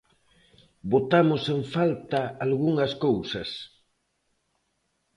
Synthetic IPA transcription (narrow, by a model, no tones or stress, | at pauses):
bot̪amoseɱfalt̪aalɣuŋɐskowsɐs